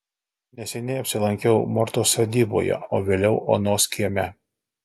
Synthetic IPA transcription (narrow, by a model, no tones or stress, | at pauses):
nʲɛsʲɛnʲɛɪɐpʲsʲɪlˠɐŋʲkʲɛʊmɔɾt̪oːsɐd̪ʲiːbo̰jɛ̰o̰ːʋʲeːlʲɛʊʔo̰ːnoːskʲʰiɛmʲɛ